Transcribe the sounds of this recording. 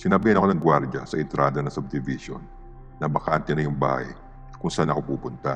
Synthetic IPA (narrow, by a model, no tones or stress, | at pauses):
sɪnabɪhɐnɐko̞nɐŋɡwaɾd͡ʒɐ̰sɐʔɪnt̪ɾʔaːd̪ɐnɐsʊb̚d̪ɪviʃo̰nː | ɐbɐkant̪ɛnɐjʊŋba̰ːhɐ̰j | kʊŋsɐʔanːɐkɐpuːpʊnt̪ɐ̰